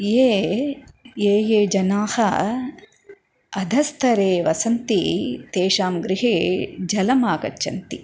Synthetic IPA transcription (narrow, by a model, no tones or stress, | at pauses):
jeː | jeːjeːd͡ʒɐnaːhɐ | ɐd̪ʱɐst̪ʰɐɾeːʋɐsɐnt̪it̪eːʃaːmɡɾɪɦeːd͡ʒɐlɐmaːkɐ̰t͡ʃːt͡ʃɐnt̪i